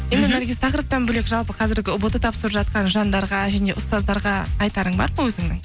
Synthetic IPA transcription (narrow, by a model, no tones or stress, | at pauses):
jje̞nd̪ɪmæɾɡʲesɪt̪ʰɑqəɾəp̚t̪ːɑnbɵlekʒɑlˠpəqʰɑzɪɾɡʲɪʊbət̪ət̪ʰɑpsəɾəpʒɑt̪̚qɑnʒɑnd̪ɑɾʁɑʒæne̞ʔʊst̪ɑzd̪ɑɾʁɑːjt̪ɑɾəɴbɑ̰ɾməwɵzɪŋnɪŋ